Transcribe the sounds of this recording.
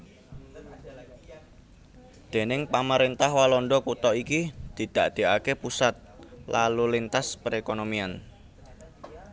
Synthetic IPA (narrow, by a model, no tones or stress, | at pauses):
d̪̥e̤nɪŋpaməɾent̪ahwalɔnɖɔkut̪ɔʔikid̪̥i̤d̪̥a̤ʔd̪̥e̤akepusat̪̚lalulint̪aspəɾekonomian